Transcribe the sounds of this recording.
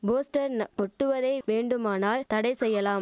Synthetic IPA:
boːsʈɐɾnɔʈːɯʋɐðɐɪʋeːɳɖɯmaːnaːlt̪ɐɽɐɪsɛjːɐlaːm

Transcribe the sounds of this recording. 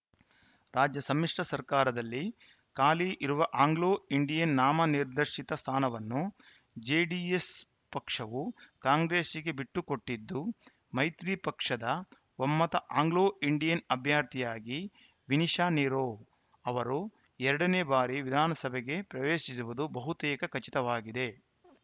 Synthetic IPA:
ɾaːd͡ʒjɐsɐmːiʂʈɐsɐɾkaːɾɐd̪ɐlːi | kaːliʔiɾuʋɐʔaːŋɡloːiɳɖijɐnːaːmɐniɾd̪ɐɾʂit̪ɐst̪ʰaːnɐʋɐnːu | d͡ʒeːɖies | pɐkʂɐʋukaːŋɡɾeːsiɡe̞biʈːuko̞ʈːid̪ːu | mɐjt̪ɾipɐkʂɐd̪ɐ | ʋɐmːɐt̪ɐʔaːŋɡloːiɳɖijɐnɐbʱjaːɾt̪ʰijaːɡi | ʋiniʃaːniːɾoː | ɐʋɐɾu | ɛɾɐɽɐneːbaːɾiʋid̪ʱaːnɐsɐbʱɛɡe̞pɾɐʋeːʃisuʋud̪ubɐɦut̪ɛːkɐkɐt͡ʃit̪ɐʋaːɡid̪e̞

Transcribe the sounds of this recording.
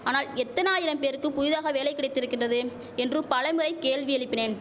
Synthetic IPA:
aːnaːlɛt̪ːɐnaːjɪɾɐmpeːɾɯkːɯpʊjʊðaːɣɐʋeːlɐɪkːɪɽɐɪt̪ːɪɾɯkːɪndrɐðɯ | ɛndrɯpɐlɐmɪɾɐɪkeːɭʋiɛɭɪpːɪneːn

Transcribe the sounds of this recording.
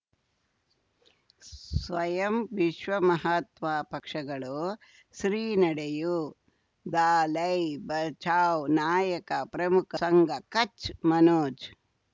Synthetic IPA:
sʋɐjɐmʋiʃʋɐmɐɦat̪maːpɐkʂɐɡɐɭu | ʃɾiːnɐɽeju | d̪aːlɐjbɐt͡ʃʰaːwnaːjɐkɐpɾɐmukʰɐsɐŋɡɐkɐt͡ʃmɐnoːd͡ʒ

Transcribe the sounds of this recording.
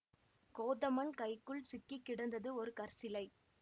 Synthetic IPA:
koːðɐmɐnkɐɪkːɯɭsɪkːɪkːɪɽɐnd̪ɐðɯɔɾɯkɐɾsɪlɐɪ

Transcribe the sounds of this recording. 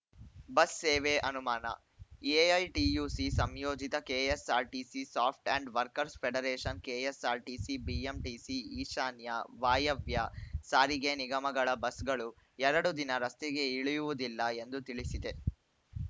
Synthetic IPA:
bɐsːeːʋeʔɐnumaːnɐ̰ | eɐjʈiːjuːsisɐmjoːd͡ʒit̪ɐkeːesaːɾʈiːsisaːp̚ʰʈɐɳɖʋɐɾkɐɾspʰeɽɐɾeːʃɐnkeːesaːɾʈiːsibiːemʈisiiːʃaːnjɐʋaːjɐʋjɐsaːɾiɡeniɡɐmɐɡɐɭɐbɐsɡɐɭu | ɛɾɐɽud̪inɐɾɐst̪ɛɡe̞iɭijuʋud̪ilːɐe̞nd̪ut̪iɭisid̪e

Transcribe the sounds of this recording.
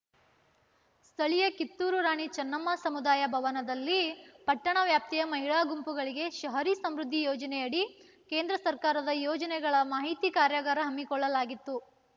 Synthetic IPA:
st̪ʰɐɭijɐkit̪ːuːɾuɾaːɳit͡ʃɐnːɐmːasɐmud̪aːjɐbʱɐʋɐnɐd̪ɐlːipɐʈːɐɳɐʋjaːp̚t̪ijɐmɐɦiɭaːɡumpuɡɐɭiɡe̞ʃɐɦɐɾisɐmɾud̪ʱːijɔːd͡ʒɐnɛjɐɽi | ke̞ːnd̪ɾɐsɐɾkaːɾɐd̪ɐjɔːd͡ʒɐnɛɡɐɭɐmaːɦit̪ikaːɾjɐɡaːɾɐɦɐmːikɔɭːɐlaːɡit̪ːu

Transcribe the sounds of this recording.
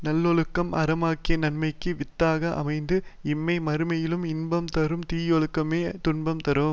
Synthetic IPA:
nɐlːɔɭɯkːɐmɐɾɐmaːkːɪjɐnɐɳmɐɪkːɯʋɪt̪ːaːɣɐʔɐ̰mɐɪnd̪ɯɪmːɐɪmɐɾɯmɐjɪlɯmɪnbɐmt̪ɐɾɯmt̪iːjɔɭɯkːɐmeːt̪ʊɳbɐmt̪ɐɾɯm

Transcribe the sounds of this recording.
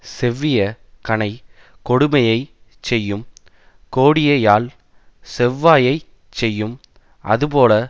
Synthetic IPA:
sɛʋːɪjɐkɐnɐɪ | kɔɽɯmɐjɐɪt͡ʃɛjːɯm | koːɽɪjɐjaːl | sɛʋːaːjɐɪ | t͡ʃɛjːɯm | ʔɐ̰ðɯpoːlɐ

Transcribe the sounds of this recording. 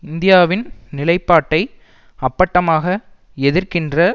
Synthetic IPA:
ɪnd̪ɪjaːʋɪnnɪlɐɪpːaːʈːɐɪ | ɐpːɐʈːɐmaːɣɐ | ɛðɪrkɪndrɐ

